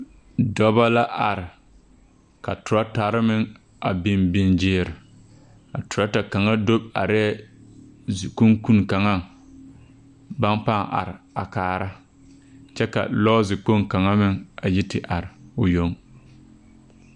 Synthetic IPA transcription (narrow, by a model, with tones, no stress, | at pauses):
dɔ˦ba˦la˦ʔa˨ɾɪ˨ | ka̰˨tʊ˨ɾa˦ta˨ɾɪ˦mɪ˨ŋ | a̰˨bɪ˦mbɪ˦nd͡ʒɪː˦˨ɾɪ˨ | a˨tʊ˨ɾa˦ta˨ka˨ŋa˦do˦b̚a̰˨ɾɛ˦ | zku˦ŋku˦n˨ka˨ŋa˦˨ŋ | ba˦npa˦˨a̰˨ɾɪ˨a̰˨kaː˨ɾa˦ | t͡ʃɛ˦ka̰˨lɔː˦zɪ˨k͡po˦ŋka˨ŋa˦mɪ˨ŋa˨ji˦tɪ˨ʔa˨ɾɪ˨ʊ˨jo˦ŋ